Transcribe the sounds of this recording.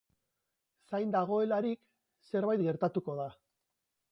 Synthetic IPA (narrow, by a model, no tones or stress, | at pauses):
sajnd̪aɣ̞o̞e̞laɾik | se̞ɾβajt̪̚ɡe̞ɾt̪at̪uko̞ð̞a